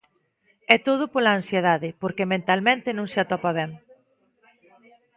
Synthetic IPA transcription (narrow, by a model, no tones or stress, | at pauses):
ɛt̪oðʊpolaːnsjeðaðɪpoɾkemẽnt̪almẽnt̪ɪnõŋsɪat̪ɔpaβ̞ɛŋ